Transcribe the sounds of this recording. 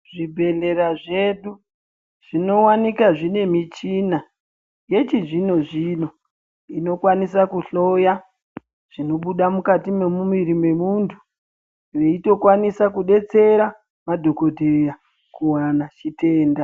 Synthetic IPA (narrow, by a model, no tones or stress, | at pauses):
ʐibʱe̞ɮe̞ɾaʐe̞ɗu | ʐ̥ino̞wanikaʐine̞mit͡ʃina | je̞t͡ʃiʐino̞ʐino̞ | ino̞kwanisakuɬo̞ja | ʐ̥ino̞ɓuɗamukatime̞mumiɾime̞muntʰu̥ | ʋe̞ito̞kwanisakuɗe̞t͡se̞ɾa | madʱo̞ko̞dʱeja | kuwanat͡ʃite̞ːnda